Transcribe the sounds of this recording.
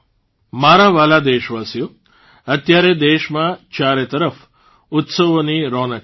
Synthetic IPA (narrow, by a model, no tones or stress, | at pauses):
maːɾaʋalad̪eːʃʋaːsju | ət̪jaɾed̪eːʃmãt͡ʃaːɾet̪əɾəf | ʊt̪səʋoniɾoːnə